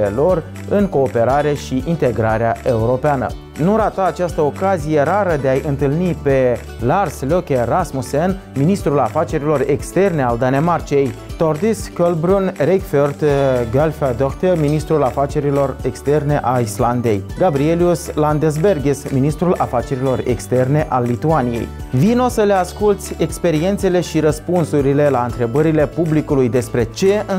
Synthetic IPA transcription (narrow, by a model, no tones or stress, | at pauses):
elo̞r | ɨŋko̞ːpe̞ɾaɾe̞ʃiʔint̪e̞ɡɾaɾeae̞uɾo̞peanə̰ | nuɾat̪aːt͡ʃast̪əo̞kazije̞ɾaɾəd̪e̞ajʔɨnt̪ɨlnipe̞ | larslokʲerasmusenminist̪ɾulafat͡ʃe̞ɾilo̞re̞kst̪e̞rne̞ald̪ane̞mart͡ʃie̞jt̪ord̪iskolbɾunrekfert̪ɡalfad̪okt̪eminist̪ɾulafat͡ʃe̞ɾilo̞re̞kst̪e̞rne̞ʔaisland̪e̞jɡabɾieliusland̪es̬be̞rɡʲesminist̪ɾulafat͡ʃe̞ɾilo̞re̞̰kst̪e̞rne̞ʔalːit̪uanije̞̰j | vino̞səle̞askult̪sʲe̞kspe̞ɾie̞nt̪se̞le̞ʃiɾəspunsuɾile̞laɨnt̪ɾe̞bəɾile̞publikulujd̪e̞spɾe̞t͡ʃe̞ɨ